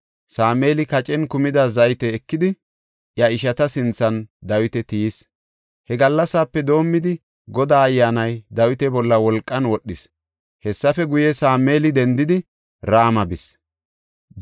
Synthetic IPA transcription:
saːme̞ːlɪkɐt͡ʃʼɛnkʊmɪd̪ɐzɐjt̪ɛːkːɪd̪ɪ | ʔjɐɪʃ̬ɐt̪ɐsɪnt͡sːɐnd̪ɐwɪt̪ɛt̪ijis | hɛɡɐlːɐsaːpːɛd̪o̞ːmːɪd̪ɪ | ɡɔd̪aːjːaːnɐjd̪ɐwɪt̪ɛbɔlːɐwɔlkʼːɐnwɔɗːɪs | hɛsːɐfɛɡʊjɛsaːme̞ːlɪd̪ɛnd̪ɪd̪ɪ | ɾaːmɐbɪs

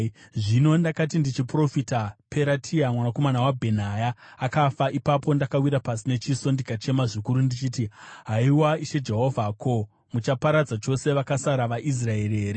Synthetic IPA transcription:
ʐino̞ndakat̬indit͡ʃipro̞fitapʰe̞ɾatʰiamwanako̞manawabʱe̞n̤ajaːkafaʔipapo̞ndakawiɾapasine̞t͡ʃiso̞ndikat͡ʃe̞maʐikuɾundit͡ʃitiɦaiwaiʃe̞d͡ʒeɦo̞vʱakʰo̞ | mut͡ʃapaɾad͡zat͡ʃo̞se̞ʋakasaɾaʋaʔis̬rae̞rieːɾe

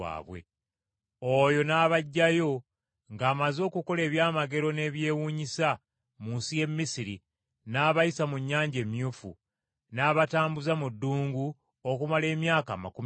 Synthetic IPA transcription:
a̰ːβwḛ | ojo̞naːβaɟːajo̞ | ŋɡaːmazo̞ːkuko̞le̞ːβjaːmaɡe̞ɾo̞ne̞βje̞ːwuːɲisa | muːnsije̞mːisiɾi | naːβajisamuɲːaːɲɟe̞ːmjuːfṵ | naːβataːmbuzamudːuːŋɡu | okumale̞ːmjaːka̰ːma̰kum

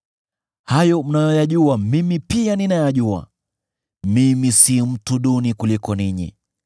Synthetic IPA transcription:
hajɔm̩najɔjaʄuamimipianinajaʄua̰ | mimisim̩tuɗunikulikɔniɲḭ

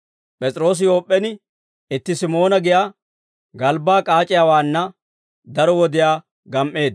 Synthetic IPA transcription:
pʼɛt͡sʼɾo̞ːs̬ɪjo̞ːpʼːɛnɪ | ɪt̪ːɪsɪmo̞ːnɐɡɪjaː | ɡɐlbaːkʼaːt͡ʃʼɪjaːwaːnːɐ | d̪ɐɾɔwɔd̪ɪjaː | ɡɐmʔːe̞ːd̪

